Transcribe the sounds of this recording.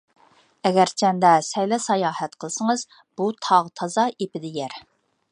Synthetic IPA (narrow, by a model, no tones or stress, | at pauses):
ɛɡʲɛɾt͡ʃʰɛnd̪ɛsɛjlɛsɑjɑːhɛt̪qʰəlˠsəŋəz | b̥ut̪ʰɑʁt̪ʰɑzɑepɪd̪ɪjæɾ